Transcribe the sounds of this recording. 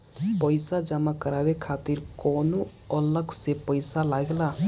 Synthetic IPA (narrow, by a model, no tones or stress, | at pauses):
pəɪsad͡ʒəmakəɾabekʰat̪iɾkɔnu | ələksepəɪsalaɡla